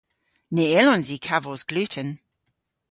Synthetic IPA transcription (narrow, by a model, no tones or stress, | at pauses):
neɪlɔnzikʰavəzɡ̥lʉtən